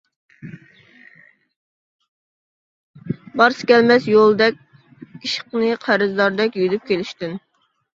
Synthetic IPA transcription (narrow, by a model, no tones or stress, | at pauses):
bɑɾsɨ̥kʲʰɛlmɛsjolˠd̪ɛkʲ | iʃə̥qnɨqʰæɾɨzd̪ɑɾd̪ɛkʲjyd̪yp̚kʲelɪʃt̪ɪn